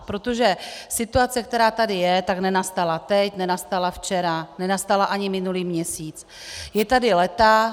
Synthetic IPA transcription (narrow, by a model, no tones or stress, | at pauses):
pɾo̞t̪o̞ʒɛsɪt̪uat͡sɛk̚t̪ɛɾaːt̪adɪjɛt̪aknɛnast̪alat̪ɛcnɛnast̪alaft͡ʃɛɾanɛnast̪alaʔaɲɪmɪnuliːmɲɛsiːt͡s | jɛt̪adɪlɛt̪a